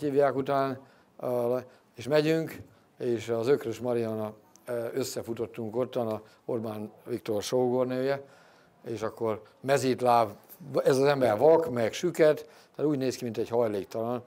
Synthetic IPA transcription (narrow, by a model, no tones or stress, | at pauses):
hiːvjaːkut̪aːn | eːʃmɛɟyŋk | eːʃɒzøkrøʃmɒɾiɒnɒøsːɛfut̪o̞t̪ːuŋko̞t̪ːɒnɒ | orbaːnvikt̪o̞rʃoɡornøːjɛ | eːʃɒkːo̞r | mɛziːt̪laːv | ɛzɒzɛmbɛrvɒkmɛkʃykɛt̪ | t̪ːaːt̪uːɟneːskimint̪ɛɟhɒjleːkt̪ɒlɒn